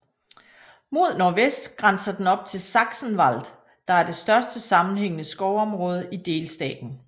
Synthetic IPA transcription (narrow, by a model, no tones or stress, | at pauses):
mo̝ð̞̰ˠnɒːʋesd̥ɡ̥ʁɑnsɐd̥enɒ̽b̥̚t͡sʰe̝lsɑ̈ɡ̥sn̩ʋɑl̰d̥ | d̥ɑ̈æɐd̥e̝sd̥ɶɐsd̥əsɑ̈mn̩ɦeŋ̰ənəsɡ̥ɒʊɒ̽mʁɔ̽ːð̞ˠəid̥e̝ːlsd̥ɛ̰ːd̥n̩